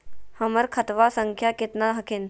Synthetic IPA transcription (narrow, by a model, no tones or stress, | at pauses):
həməɾkʰət̪ʋasəŋkʰjakɪt̪naɦəkʰɪn